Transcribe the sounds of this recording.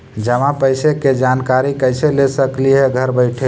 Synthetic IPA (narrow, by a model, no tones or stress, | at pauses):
d͡ʒəmãpəjseked͡ʒankaɾikəɪselesəklieɡʱəɾbəɪʈʰe